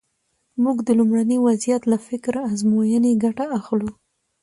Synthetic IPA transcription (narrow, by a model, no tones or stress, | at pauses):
muɡd̪əlumɽaniwazijat̪lafɪkɾaazmojəneɡaʈaaxlu